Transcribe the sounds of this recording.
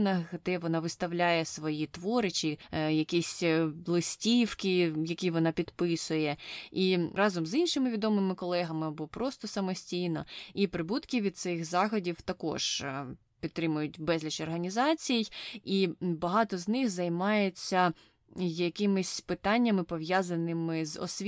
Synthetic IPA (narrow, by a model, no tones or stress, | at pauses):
nɐxɦd̪ɛʋɔnɑʋɪst̪ɐwlʲajɛsʋɔjit̪ʋɔɾɪt͡ʃɪjɐkʲisʲlˠɪsʲtʲiwkɪjɐkʲiʋɔnɑpʲid̪pɪsʊjɛiɾɑzɔmzinʃɪmɪʋʲid̪ɔmɪmɪkɔlˠɛɦɐmɪbɔpɾɔst̪ɔsɐmɔsʲtʲijnɔipɾɪbut̪kʲɪʋʲid̪t̪sɪxzɑxɔdʲiwt̪ɐkɔ̰ʒ̥ | pʲit̪ːɾɪmʊjʊt̚ʲbɛzʲlʲit͡ʃɔrɦɐnʲizɑt͡sʲijijibɐɦɑt̪ɔznɪxzɐjmɑjet͡sʲːɐ | jɐkɪmɪsʲpɪt̪ɑnʲːɐmɪpɔʋjazɐnɪmɪzɔ̰sʲʋʲ